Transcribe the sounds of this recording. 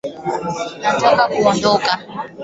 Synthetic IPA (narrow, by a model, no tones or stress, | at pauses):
natʰɔkakuɔndɔka